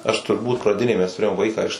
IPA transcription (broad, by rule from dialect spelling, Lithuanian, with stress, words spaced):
ˈɐʃ tʊrˈbuːt prɐˈdʲɪnʲeːj mʲɛs tʊˈrʲeːjoːm ˈʋɐɪkɑː ɪʃ